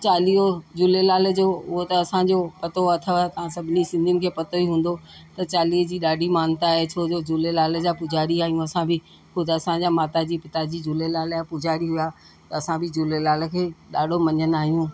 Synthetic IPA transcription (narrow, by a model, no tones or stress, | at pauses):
t͡ɕaːliod͡ʑʊlelaːləd͡ʑoːʊɦot̪ɐɐsãd͡ʑopɐt̪oɐt̪ʰəʋt̪ɐ̤ãsɐbʱɪnisɪ̃nd̪ʱiʊnɪ̆kʰeːpɐt̪oiɦũːn̆d̪ot̪ɐt͡ɕaːliːd͡ʑiːɗaːɖʱimaːnt̪aɦet͡ɕʰoːd͡ʑod͡ʑʊlelaːl̆d͡ʑaːpʊd͡ʑʱaːɾiaːɦijũɐsãbʱɪ | xʊd̪ʱɐsãd͡ʑaːmaːt̪ad͡ʑiːpɪt̪ad͡ʑiːd͡ʑʊlelaːljapʊd͡ʑaːɾiɦʊjaː | t̪ɐɐsãbɪd͡ʑʊlelaːlə̆kʰeːɗaːɖʱomɐɲənaːɦijũː